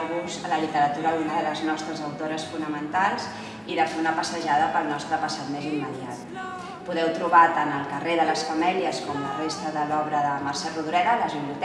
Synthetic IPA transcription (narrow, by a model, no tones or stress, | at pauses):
ɣuzələlit̪əɾət̪uɾəlunaləznɔst̪ɾəzəwt̪oɾəsfunəmənt̪alˠz | iləzonəpəsəʒaðəpəlˠnɔst̪ɾəpəsat̪mezimːəðiat̪ | puðɛwt̪ɾuβat̪anəlˠkəreðələsfəmɛliəskɔmlərest̪əðəlɔβɾəðəmərsɛruðuɾɛɾələzβiβliut̪